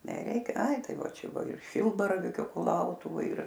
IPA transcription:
nʲɛˈrʲɛɪk ˈɐɪ ˈtɐɪ ˈʋɐ ˈt͡ʃʲɛ ˈbuɔ ɪr ˈʃʲɪlˠbɐrɐʋʲiːkʲʊ kʊˈlˠɐʊtʊʋoːj ɪr

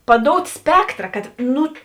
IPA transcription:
pɐˈdoːʊtʲ ˈsʲpʲæːktrɐ kɐt ˈnʊ

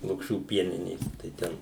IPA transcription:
lˠʊkˈʃʲuː ˈpʲiɛnʲɪnʲeːs tɐɪ ˈtʲɛn

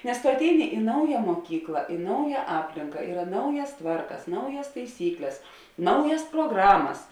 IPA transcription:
nʲɛs tʊ ɐtʲˈɛɪnʲɪ ɪ ˈnɐʊjɛ muɔˈkʲiːklˠɐ ɪ ˈnɐʊjɛ ˈɑːpʲlʲɪŋkɐ ˈiːrɐ ˈnɐʊjɛs ˈtʋɐrkɐs ˈnɐʊjɛs tɐɪˈsʲiːklʲɛs ˈnɐʊjɛs proːˈɡrɑːmɐs

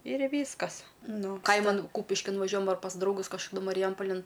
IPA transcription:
ɪr ˈʋʲiːskɐs ˈnʊ ˈkɐɪmɐn ˈkuːpʲɪʃʲkʲɪn ʋɐˈʒʲuɔjɛm ɐr pɐs drɐʊˈɡʊs kɐʃkɐˈdʊ mɐrʲɪˈjɛmpɐlʲɪn

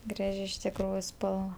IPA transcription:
ˈɡrɑːʒʲɪ ɪʃ tʲɪkˈruːjʊ ˈspɐlˠʋɐ

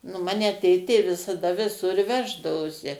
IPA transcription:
nʊ ˈmɑːnʲɛ ˈtʲeːtʲeː ʋʲɪsɐˈdɐ ʋʲɪˈsʊr ˈʋʲæːʒdɐʋoːsʲɪ

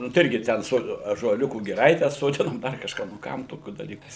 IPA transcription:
nʊ tɐɪ ˈɪrʲɡʲɪ ˈtʲɛn ˈsoː ɑːʒuɔˈlʲʊkuː ɡʲɪˈrɐɪtʲɛ soːˈdʲɪnoːm ˈdɐr kɐʃˈkɑː nʊ ˈkɐm toːˈkʲuː dɐˈlʲiːkuː

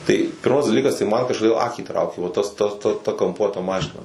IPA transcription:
tɐɪ ˈpʲɪrmɐs dɐˈlʲiːkɐs tɐɪ mɐn kɐʃkoːˈdʲeːlˠ ˈɑːkʲiː ˈtrɐʊkʲeː ʋɐ ˈtɐs ˈtɐ ˈtɐ ˈtɐ kɐmˈpuɔtɐ ˈmɑːʃʲɪnɐ

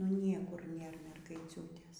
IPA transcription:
nʊ ˈnʲiɛkʊr ˈnʲeːr mʲɛrɡɐɪˈt͡sʲuːtʲeːs

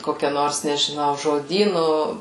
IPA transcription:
ˈkoːkʲɛ ˈnoːrs nʲɛʒʲɪˈnɐʊ ʒoːˈdʲiːnʊ

